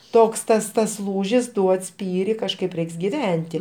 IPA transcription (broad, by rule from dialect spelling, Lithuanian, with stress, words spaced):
ˈtoːks ˈtɐs tɐs ˈlˠuːʒʲɪs ˈduɔt ˈsʲpʲiːrʲɪ kɐʃˈkɐɪp ˈrʲɛɪks ɡʲɪˈʋʲɛnʲtʲɪ